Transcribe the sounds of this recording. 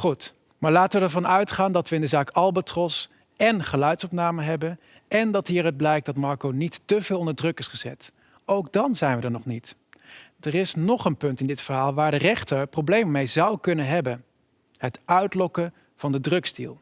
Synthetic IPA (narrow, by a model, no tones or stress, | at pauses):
χut | maːɹlaːtəʋəɛɹvɑnœɥtχaːndɑtʋəɪndəzaːkɑlˠbətrɔs | ɛnχəlœɥtsɔpnaːməɦɛbən | ɛndɑtɦiːrəd̚blɛjk̚dɑtmɑɹkownitːəvɪːlˠɔndəɹdrɵkɪsχəzɛ̰t | owɡdɑnzɛjnʋədəɹnɔχnit | dərɪsnɔχənpɵntɪndɪtfəɹɦaːlˠʋaːɹdərɛχtəɹprowblejmmejzɑwkɵnənɦɛbən | ɦətœɥtlɔkə | v̥ɑndədrɵkstḭlˠ